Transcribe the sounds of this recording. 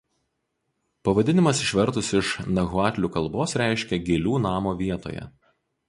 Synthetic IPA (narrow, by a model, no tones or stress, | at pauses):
pɐʋɐd̪ʲɪnʲɪmɐsɪʃʲʋʲɛɾt̪ʊsɪʃnɐɣʊɑːt̪ʲlʲuːkɐlˠˑboːsɾʲæˑɪʃʲkʲɛɡʲɪlʲuːnɑːmoːʋʲiɛt̪o̰ːjɛ̰